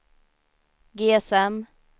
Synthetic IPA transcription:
ɡeːɛsɛm

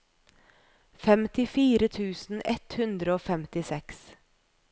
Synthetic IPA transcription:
fɛmt̪ɪfiːɾət̪ʰʉːsn̩ɛt̪hʉnd̪ɾəoːfɛmt̪ɪsɛks

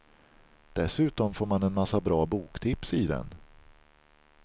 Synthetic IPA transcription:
d̪̥ɛsʉ̟ːt̪ɔmfoːɾmanɛnmasːabɾɑːbuːkt̪ʰɪpsɪd̪ɛ̰n

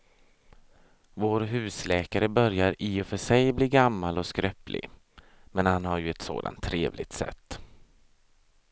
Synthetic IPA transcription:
voːɾɦʉ̟ːslɛːkaɾəbœɾjaɾiːɔfœʂɛjbliːɡamːalɔskɾœplʔɪ̰ɡ | mɛnhanhaɾjɵɛt̪so̰ːd̪a̰nt̪ʰːɾeːvlɪɡ̚t̪sɛ̰t̪ː

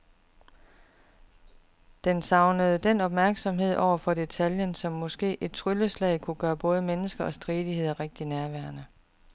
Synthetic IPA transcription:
d̥ensɑ̈ʊnəð̞̩ˠd̥en̰ɒ̽b̥mæɐɡ̥sɒ̽mɦe̝ð̞̰ˠɒʊ̰ɐfɒ̽d̥e̝t͡sʰæljənsɒ̽mːɒ̽sɡ̥e̝̰ːʔe̝d̥̚t͡sʰʁyləslɛ̰ɪkʰuɡ̥ɶːɐb̥ɔ̽ːð̞ˠəmenəsɡ̥ɐɒ̽sd̥ʁiːðˠihe̝ð̞̰ˠɐʁeɡ̥̚d̥inæɐʋæɐnə

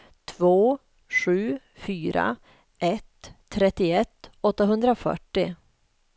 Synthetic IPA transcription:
t̪ʰvoː | ʂʉ̟ː | fyːɾa̰ | ʔɛt̪ʰːɾɛt̪ːɪɛt̪ːɔt̪ːaɦɵnd̪ɾafœ̰ʈːɪ

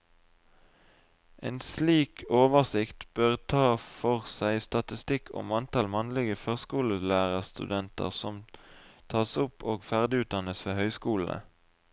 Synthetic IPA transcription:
ʔḛːnsliːkʰoːʋəʁsɪkt̪b̥øːʁt̪ʰɑːfɔʁsæɪst̪ɑt̪ɪst̪ɪkʰʊ̰mɑnt̪ɑlmɑnlɪɡəføːʁskuːləlæːʁəʁst̪ʉ̰d̪ɛnt̪ə̰ʁsɔmt̪ʰɑːsʊpʰoːɡfæʁd̪ɪʉːt̪̚d̪ɑnəsʋeːhœʏskuːl̩ə̰

